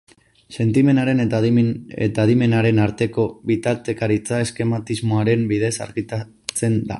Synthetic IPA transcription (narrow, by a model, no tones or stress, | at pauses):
se̞nt̪ime̞naɾe̞n | et̪aðime̞naɾe̞naɾt̪e̞ko̞βit̪aɾt̪e̞kaɾit͡sae̞ske̞mat̪izmoaɾe̞mbiðe̞sa̰ɾɣit̪a | t͡se̞nd̪a̰